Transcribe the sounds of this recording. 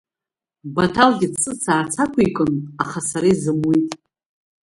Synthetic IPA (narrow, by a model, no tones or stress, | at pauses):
batʰalɡʲɪsɨt͡sʰaːt͡sʰakʷʰaikʼɨnaχasaɾazɨmwitʼ